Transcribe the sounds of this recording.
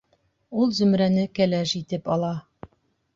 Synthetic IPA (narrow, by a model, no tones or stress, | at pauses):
ulˠzɵ̆mɾænɘkælæʃit̪ɘpɒlˠɑ